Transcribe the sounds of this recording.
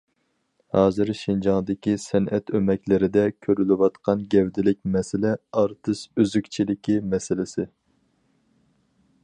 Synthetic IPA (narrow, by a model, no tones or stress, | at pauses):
hɑːzɨɾʃind͡ʒɑŋd̪ɪkʲisɛnʔɛt̪ømɛkʲlɪɾɪd̪ɛkʲʰøɾylɪwɑt̪qʰɑnɡʲɛvd̪ɪlɪk̚ʲmɛsɪlɛɑɾt̪ʰɨʃøzykʲt͡ʃʰilɪkʲimɛsɪlɪsɪ